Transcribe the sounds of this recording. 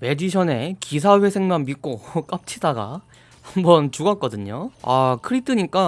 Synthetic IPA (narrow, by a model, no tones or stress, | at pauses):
me̞d͡ʑiɕʰʌne̞kis̬ʰaɸe̞sʰe̞ŋmanmik͈ok͈ap̚t͡ɕʰidaɡa̰ | hambʌnt͡ɕuɡak͈ʌdɯɲoa̰kʰɯɾip̚t͈ʰɯɲik͈a